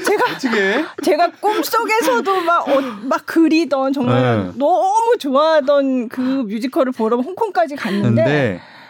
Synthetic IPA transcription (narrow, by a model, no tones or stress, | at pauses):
t͡ɕe̞ɡaɡet͡ɕe̞ɡak͈ums͈oɡe̞sʰʌdomaɡʌmak͈ːɯɾidʌnt͡ɕʌŋmaɾnʌmut͡ɕoaɦadʌnkɯmjud͡ʑikʰʌɾɯɭpʌɾʌɦoŋkʰoŋk͈ad͡ʑikanːɯɯndede